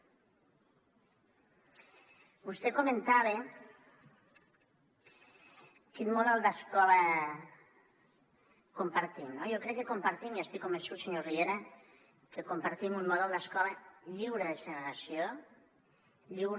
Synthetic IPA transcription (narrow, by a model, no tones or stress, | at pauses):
bust̪ekomẽnt̪aβe | kinmoðalˠd̪askɔla | kompaɾt̪imnojokɾekːekompaɾt̪imiast̪ikːombensuseɲoriβeɾa | kekompaɾt̪imunmoðɛlˠd̪askɔlaʎiwɾeðeʒeneɾasjo | ʎiwɾ